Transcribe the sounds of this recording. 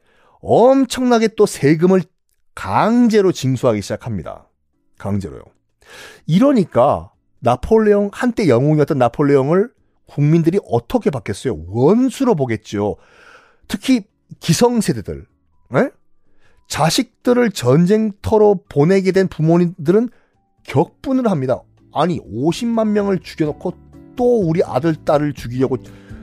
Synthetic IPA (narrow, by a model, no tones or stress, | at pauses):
ʌmt͡ɕʰʌŋnaɡe̞t͈osʰe̞ɡɯmɯɭ | kaŋd͡ʑe̞ɾot͡ɕiŋsʰuɦaɡiɕʰid͡ʑakʰamɲida̰ | kaŋd͡ʑe̞ɾo̰jo̰ | iɾʌɲik͈a | napʰoɭːejoŋhant͈e̞jʌŋoŋiʌt͈ʌnːapʰoɭːeoŋɯɭ | kuŋmindɯɾiʔʌt͈ʰʌkʰe̞pakʰes͈ʌjo̰wʌnsʰuɾoboɡe̞t̚t͡ɕ͈o | tʰɯkʰi | kisʰʌŋsʰededɯ̰ɭ | e | t͡ɕaɕʰik̚t͈ɯɾɯɭt͡ɕʌnd͡ʑe̞ŋtʰʌɾopone̞ɡe̞dwe̞npumoɲidɯɾɯn | kjʌk̚p͈unɯɾoɦamɲida̰ | aɲioɕʰimmanmjʌŋɯɭt͡ɕuɡjʌnokʰo | t͈ouɾiʔa̰dɯɭt͈aɾɯɭt͡ɕuɡiɾjʌɡo